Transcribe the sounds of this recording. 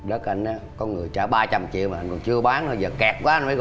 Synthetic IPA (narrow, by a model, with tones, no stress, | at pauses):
ɗə˦˥k̚ʔa˧jŋ̟ʔaː˨˦kɔ˨˦nŋɨ˨˩əjt͡ɕaː˧˩ɓaː˧t͡ɕa˧mt͡ɕḭ˧˨wmaː˨˩ʔa˧ŋ̟kɔ˨˩nt͡ɕɨ˧əɓaː˨˦ntʰo˧˩jzəː˨˩kɛ˨˩k̚kwaː˨˦ʔa˧nfə˨˧˦k